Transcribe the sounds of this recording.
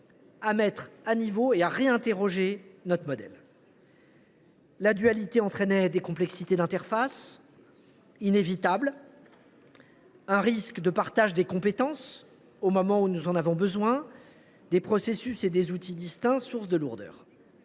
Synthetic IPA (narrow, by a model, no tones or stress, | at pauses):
amɛt̪χanivoeaʁeɛ̃t̪eʁɔʒenɔt̪χmɔd̪ɛ̰l | ad̪yalit̪eɑ̃t̪χɛnɛd̪ekɔ̃plɛksit̪ed̪ɛ̃t̪ɛʁfas | inevit̪abl | ɛ̃ʁiskd̪əpaʁt̪aʒd̪ekɔ̃pet̪ɑ̃s | omɔmɑ̃unuzɑ̃navɔ̃bəzwɛ̃ | d̪epχɔsesysed̪ezut̪id̪ist̪ɛ̃suʁsd̪əluʁd̪œ̰ːʁ